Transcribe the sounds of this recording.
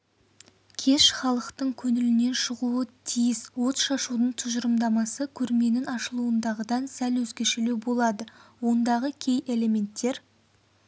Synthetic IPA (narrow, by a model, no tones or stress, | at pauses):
kʲʰe̞ʃχɑlˠəqt̪əɴkʲʰɵnɪlɪne̞nʃəʁuət̪ʰijɪswo̞t̪ʃɑʃud̪əɴt̪ʰʊʒəɾəmd̪ɑmɑsəkʲʰɵɾme̞nɪŋɑʃəlˠuənd̪ɑʁəd̪ɑnsælwɵzɡʲe̞ʃelebo̞lˠɑd̪əwo̞nd̪ɑʁəkʲʰe̞jʔe̞le̞mʲe̞nt̪ːe̞ɾ